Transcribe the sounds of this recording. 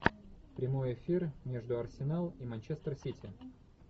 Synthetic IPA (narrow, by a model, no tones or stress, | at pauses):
pɾʲɪmo̞jɪfʲirmʲeʐd̪ʊɐrsʲɪnalˠimɐnʲt͡ɕest̪rsʲitʲɪ̰